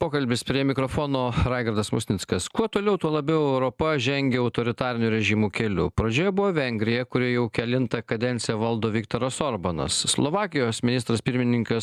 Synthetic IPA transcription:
poːkɐlʲbʲɪspʲɾʲiɛmʲɪkɾoːfoːnoːɾɑɪɡɐɾd̪ɐsmʊsʲnʲɪtskɐskuɔt̪oːlʲɛʊt̪uɔlˠɐbʲɛʊɛʊɾoːpɐʒʲɛŋʲɡʲɛɔʊt̪oːɾʲɪt̪ɑːɾʲɪnʲuːɾʲɛʒʲimuːkʲɛlʲʊ̰pɾɐd͡ʒʲoːjɛbʊʋoːʋʲɛŋʲɡɾʲɪjɛkʊɾʲɪjɛʊkʲɛlʲɪnt̪ɐkɐd̪ʲɛnʲsʲɪjɛʋɐlˠd̪oːʋʲɪkt̪oːɾɐsoːɾbɐnɐ̰sːlˠoʋɑːkʲɪjoːsmʲɪnʲɪst̪ɾɐspʲɪɾʲmʲɪnʲɪŋkɐs

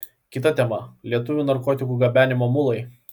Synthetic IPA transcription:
kʲɪt̪ɐt̪ʲɛmɐlʲiɛt̪ʊʋʲunɐɾkɔːt̪ʲɪkuːˑɡɐbʲæːnʲɪmoːmʊlˠɐɪ

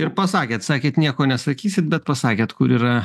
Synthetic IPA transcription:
ɪɾpɐsɑːkʲeːt̪sɑːkʲeːt̪nʲiɛkoːnʲɛsɐkʲiːsʲɪt̪̚bʲɛt̪̚pɐsɑːkʲeːt̪kʊɾiːɾɐ

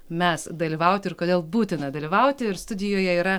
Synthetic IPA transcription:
mʲɛsd̪ɐlʲiːʋɐʊt̪ʲɪɪɾkoːdʲeːlˠbuːt̪ʲɪnɐd̪ɐlʲiʋɐʊt̪ʲɪɪɾst̪ʊd̪ʲɪjoːjɛiːɾɐ

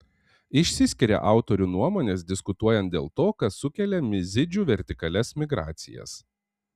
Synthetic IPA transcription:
ɪʃʲsʲɪsʲkʲɪɾʲḛːʔɑˑʊt̪ɔɾʲuːnuɔmoːnʲeːsd̪ʲɪskʊt̪uɔjɛnt̪̚d̪ʲḛːlˠt̪oːkɐsʊkʲɛlʲemʲɪzʲɪd͡ʒʲuːʋʲɛɾʲt̪ʲɪkɐlʲɛsmʲɪɡɾɑ̰ːt̪sʲɪ̰jɛ̰s

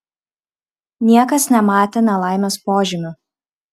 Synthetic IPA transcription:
nʲiɛkɐsnʲɛmɑːt̪ʲenʲɛlˠɑˑɪmʲoːspoːʒʲɪmʲʊ

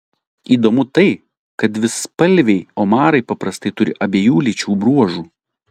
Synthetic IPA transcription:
iːd̪oːmʊt̪ɐɪ | kɐt̪ʋʲɪspɐlʲˑʋʲɛɪoːmɑːɾɐɪpɐpɾɐst̪ɐɪt̪ʊɾʲɪʔɐbʲeːjuːlʲit͡ʃʲuːbɾuɔʒuː

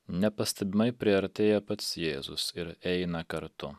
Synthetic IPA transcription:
nʲɛpɐsʲt̪ʲɛbʲɪmɐɪpʲɾʲɪɐɾʲt̪ʲeːjɛpɐt̪sjeːzʊ̰sɪɾɛɪnɐkɐɾt̪ʊ

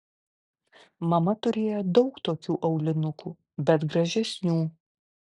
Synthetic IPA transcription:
mɐmɐt̪ʊɾʲeːjod̪ɒʊkt̪oːkʲuːʔɐʊlʲɪnʊkʰuː | bʲɛt̪ɡɾɐʒʲɛsʲnʲuː

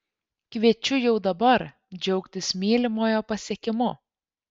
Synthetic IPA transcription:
kʋʲiɛt͡ʃʲʊjɛʊd̪ɐbɐɾ | d͡ʒʲɛʊkt̪ʲɪsmʲeːlʲɪmoːjoːpɐsʲiɛkʲɪmʊ

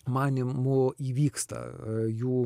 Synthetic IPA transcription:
mɑːnʲɪmʊiːʋʲiːkst̪ɐ̰juː

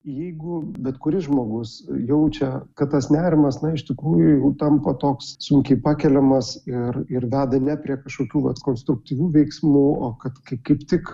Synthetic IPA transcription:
jɛɪɡʊbʲɛt̪kʊɾʲɪʒmoːɡʊsjɛʊt͡ʃʲɛkɐt̪t̪ɐsnʲæːɾʲɪmɐsnɐɪʃt̪ʲɪkɾuːjʊjɛʊt̪ɐmpɐt̪oːkssʊŋʲkʲɛɪpɑːkʲɛlʲɛmɐsɪrɪrd̪ʲæːd̪ɐnʲɛpʲɾʲiɛkɐʃkoːkʲuːʋɐ̰t̪koːnst̪ɾʊk̚t̪ʲiːʋʲuːʋʲɛɪksmuːoːkɐt̪kɐɪkɐɪpt̪ʲɪk

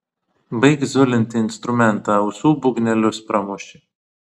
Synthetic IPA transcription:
bɐɪkzʲʊlʲɛnʲt̪ʲɪɪnst̪ɾʊmʲɛnˑt̪ɑʊsuːbʊɡnʲɛlʲʊspɾɐmʊʃʲɪ

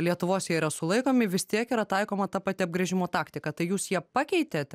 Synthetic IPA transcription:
lʲiɛt̪ʊʋoːsʲɛɪiɾɐsʊlˠɐɪkoːmʲɪʋʲɪst̪ʲiɛkiːɾɐt̪ɐɪkoːmɐt̪ɐpɐːt̪ʲɪɐb̚ɡɾʲɛʒʲɪmoːt̪ɑːkt̪ʲɪkɐt̪ɐɪjuːsjiɛpɑkʲɛɪt̪ʲeːt̪ʲ

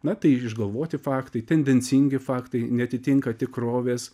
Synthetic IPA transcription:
nɐt̪ɐɪɪʒɡɐlˠʋoːt̪ʲɪfɑːkt̪ɐɪt̪ʲɛnʲd̪ʲɛnʲt͡sʲiŋʲɡʲɪfɑːkt̪ɐɪnʲɛɐt̪ʲɪt̪ʲiŋkɐt̪ʲɪkɾoːʋʲeːs

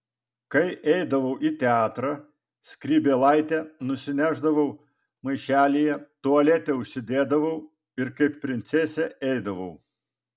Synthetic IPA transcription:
kɐɪʔɛɪd̪ɐʋɐʊʔit̪ʲɛɑːt̪ɾɐ | sʲkɾʲiːbʲeːlˠɑˑɪt̪ʲɛnʊsʲɪnʲæːʒd̪ɐʋɐʊ | mɐɪʃʲæːlʲijɛt̪oɐlʲɛt̪ʲɛʊʃʲsʲɪd̪ʲeːd̪ɐʋɐʊ | ɪɾkɐɪppːʲɾʲɪnʲt̪sʲɛsʲɛɛɪd̪ɐʋɐʊ

